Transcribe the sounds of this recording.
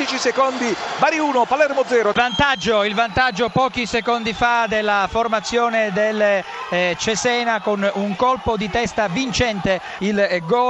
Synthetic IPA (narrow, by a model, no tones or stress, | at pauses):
it͡ʃisekond̪ibaɾiuːnopalɛrmod̪zɛːɾovant̪ad͡ʒːoilvant̪ad͡ʒːopɔːkisekond̪ifad̪elːaformat̪sːjoːned̪el | t͡ʃesɛːnakonuŋkolpod̪it̪ɛst̪avint͡ʃɛnt̪e | ilɡɔː